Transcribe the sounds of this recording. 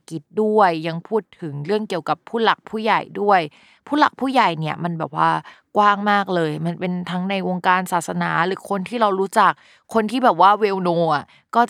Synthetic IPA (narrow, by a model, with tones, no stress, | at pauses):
ki˨˦t̪̚du˥˩əjːa˧ŋpʰuː˥˩t̪ʰːɯ˩˦ŋɾɯ˥˩əŋki˨˩əwka˨˩pʰːuː˥˩la˨˩k̚pʰuː˥˩ja˨˩jdu˥˩əj | pʰuː˥˩la˨˩k̚pʰuː˥˩ja˨˩jni˥˩ɐma˧nbɛː˨˩p̚waː˥˩ | kwaː˥˩ŋmaː˥˩k̚lɤː˧jma˧npe˧nt̪ʰa˦˥ŋna˧jwo˧ŋkaː˧nsaː˨˩t̪̚sa˧naː˩˦ɾɯː˩˦kʰo˧nt̪ʰiː˥˩ɾa˧wɾuː˦˥t͡ɕa˨˩k̚ʰːo˧nt̪ʰiː˥˩bɛː˨˩p̚waː˥˩weː˧wnoː˧ʔa˨˩ʔ | kɔː˥˩